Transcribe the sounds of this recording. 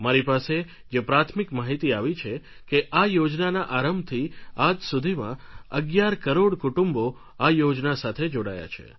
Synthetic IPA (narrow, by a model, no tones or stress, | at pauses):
maɾipase | d͡ʒepɾat̪ʰmikmaɦit̪iaʋit͡ʃʰe | keʔajod͡ʒnanaʔaɾəmbt̪ʰiad͡ʒsud̪ʱimã̰əɡjaɾkəɾoɽkuʈumbo | ajod͡ʒnasat̪ʰed͡ʒoɽaja̰t͡ʃʰḛ